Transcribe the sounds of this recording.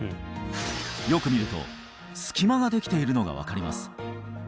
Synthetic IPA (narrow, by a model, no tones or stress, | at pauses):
jo̞kɯ̟mʲiɾɯ̟t̪o̞̰ | sɨ̥kʲimaɡad̪e̞kʲi̥t̪e̞iɾɯ̟no̞ɡa̰β̞a̰kaɾʲima̰sɨ̥